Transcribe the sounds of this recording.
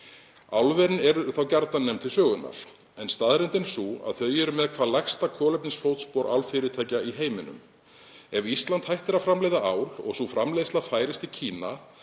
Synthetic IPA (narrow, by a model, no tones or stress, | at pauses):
awlvɛɾnɛɾʏθawcaɾt̪nanːɛmt̪ʰɪlsœːɣʏnːa̰ɾ̥ | ɛnst̪aðɾɛnt̪ɪnsua̰ðθœɥjɛɾʏmɛðkʰvaːðlajxst̪akʰɔːlɛpnɪnsfowt̪spɔɾʔa̰wlfɪɾɪt̪ʰaːjcaiɦeːjmɪnʏ̰m | ɛvist̪lant̪hajht̪ɪɾafɾamlejðaʔawɾ̥ɔ̰ɣsufɾamlejslafaːjɾɪst̪icʰiːna